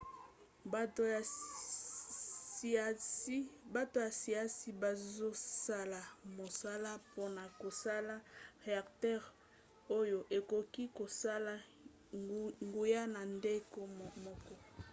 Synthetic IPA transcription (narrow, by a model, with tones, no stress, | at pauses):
ba˦to˨ja˨si˨a˦si˦ba˨zo˦sa˦la˨mo˨sa˦la˦po˦na˨ko˨sa˦la˦ʁe˨a˨ktɛ˦ʁ | o˦jo˨ʔe˨ko˨ki˦ko˨sa˦la˦ | ŋɡu˨ja˦na˨nde˦ko˦˨mɔ˦kɔ˦